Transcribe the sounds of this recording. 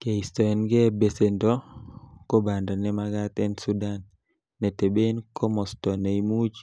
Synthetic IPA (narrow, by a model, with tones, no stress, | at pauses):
ke˨istɔ˨ɛnɡɛ˦be˨se˨ndɔ˦ko˦ba˨ndɔ˨nɛ˦maɡa˦t̪ɛ˦nsu˦da˦nː | ɛ˨te˨be˦nkʰɔ˦mɔ˨stɔ˨ne˨imu˦d͡ʒ